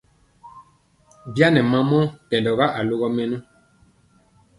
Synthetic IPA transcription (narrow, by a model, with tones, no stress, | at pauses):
bja˦nɛ̃˨mã˨mɔ̃˦kɛ̃˨ndɔ˨ɣa˦ʔa˨lo˦ɣɔ˦mɛ̃˦nũ˦